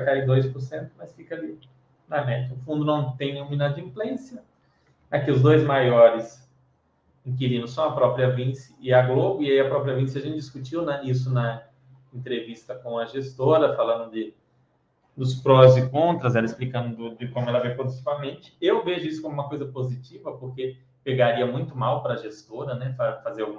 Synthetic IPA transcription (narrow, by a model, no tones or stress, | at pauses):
kaid̪ojspʊɾsẽnt̪ʊmɐsfikɐali | nɐmɛd͡ʒɐʊfũnd̪ʊnɐ̃w̃t̪ẽj̃ũmĩnad͡ʒ̪ĩplẽsjɐ | akiʊzd̪ojzmajɔɾɪs | ĩkiɾĩnʊsɐ̃w̃ɐpɾɔpɾiɐvĩsɪ̥ɪɐɡlobʊiaiɐpɾɔpɾiɐvĩsɪɐʒẽnt͡ʃd͡ʒiskut͡ʃiwnɐis̬ʊnɐ | ẽnt̪ɾevist̪ɐkõɐʒest̪oɾɐfalɐ̃nd̪ʊd̪ɪ | d̪ʊspɾɔzd͡ʒɪkõnt̪ɾɐzɛlɐɪsplikɐ̃nd̪ʊd̪ʊd͡ʒ̪ɪkõmʊɛlɐvẽjpɾod̪it͡ʃivɐmẽnt͡ʃɪ̥ewveʒʊisʊkõm̃ũmɐkojzɐpozit͡ʃivɐpoɾke | peɡaɾiɐmũj̃t̪ʊmawpɾɐːʒest̪oɾɐnɛfafazeɾawɡũ